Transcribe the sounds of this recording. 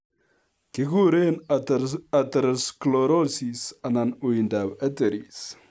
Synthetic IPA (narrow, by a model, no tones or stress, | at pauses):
kikuɾen | at̪əɾskloɾosisananuind̪awɛt̪eɾis